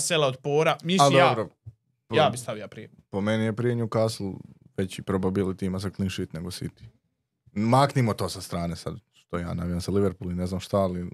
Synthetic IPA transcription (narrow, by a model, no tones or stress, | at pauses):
selaod̪poːɾamiad̪obɾo | pjaːbist̪aʋiapɾije | pomenijepɾieɲuukaːsl | ʋet͡ɕipɾobabilit̪iimasaklinʃit̪neɡosḭt̪i̥ | maːknimot̪o̞ːsast̪ɾaːnesa̰d̪ʃt̪oja̰ːnaʋijamsaliʋeɾpuline̞znaːmʃt̪ali